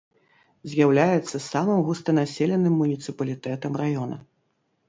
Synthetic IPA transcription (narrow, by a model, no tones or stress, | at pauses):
zʲjawlʲajɛt̪sːɐsamɨmɣust̪ɐnasʲɛlʲɛnɨmːunʲit̪sɨpɐlʲit̪ɛt̪ɐmrajɔnɐ̰